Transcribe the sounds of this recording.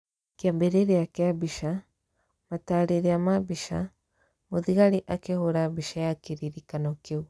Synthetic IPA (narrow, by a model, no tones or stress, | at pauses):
keambeɾeɾeakeabiʃa | mataɾeɾeamabiʃa̰ | moðiɣaɾiʔakehoɾabiʃajakiɾiɾikanɔkeu